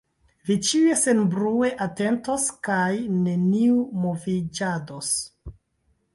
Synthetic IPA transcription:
vit͡ʃie̞senbɾue̞ʔate̞ntoskajne̞niumovid͡ʒados

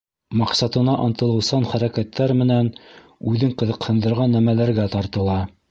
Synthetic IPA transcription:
mɑqsɑt̪ɤ̆nɑʔɑnt̪ɤ̆lˠɤ̆wsɑnχæɾækæt̪ːæɾmɘ̆næn | ʉðɘɴqɤ̆ðɤ̆qhɤ̆nd̪ɤ̆ɾʁɑnːæmælæɾɡæt̪ɑɾt̪ɤ̆lˠɑ

